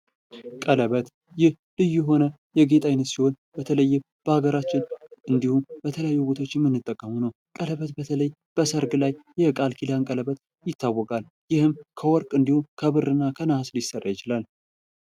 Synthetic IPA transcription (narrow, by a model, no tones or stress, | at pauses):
kʼələβət̪ | jɪh | lɨjːuɦo̞nə | jɛɡe̞t̪ʼajnːət̪siho̞n | bət̪ʰələjːɪm | b̥əhaɡəɾat͡ʃːɪnʔɨnd̪ihumbət̪ʰələjajːubo̞t̪ʰot͡ʃːjɛmːɨnːɨt̪ʼːəkʼːəmunəw | kʼələβət̪bət̪ʰələjː | b̥əsəɾɡɨlajːɛkʼalkʰilaŋkʼələβət̪ | jɪt̪ːawːɔkʼal | jɪhɨmkʰəwɔɾkʼɨnd̪ihukʰəβɨrɨnːakʰənahaslɪsərːajɪt͡ʃɪlal